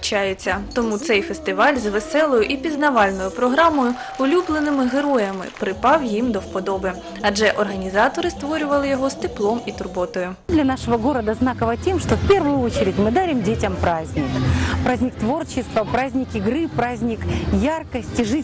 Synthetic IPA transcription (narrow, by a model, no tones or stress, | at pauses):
t͡ʃajʊt͡sʲːɐt̪ɔmut̪sɛjfest̪ɪʋɑlʲzʋesɛlˠɔjʊʔipʲiznɐʋɑlʲnɔjʊpɾɔɦɾɑmɔjʊ | ʊlʲublˠenɪmɪɦeɾɔjɐmɪ̰pɾɪpɑwjimd̪ɔwpɔd̪ɔbɪ | ɐʒɛʔɔrɦɐnʲizɑt̪ɔɾɪst̪ʋɔɾʲʊʋɐlˠɪjɔɦɔst̪ɪplˠɔmit̪ʊrbɔt̪ɔjʊ | d̪lʲɐnaʂɔʋɐɡoɾɐd̪ɐznakɐʋɐtʲemʂt̪ofpʲɛrʋʊjʊot͡ɕɪɾʲɪtʲmɨd̪aɾʲɪmdʲetʲɐmpɾazʲnʲikpɾazʲnʲɪk̚t̪ʋo̞rt͡ɕɪst̪ʋɐpɾazʲnʲikɪɡɾɨpɾazʲnʲikjarkɐsʲtʲiʐɨ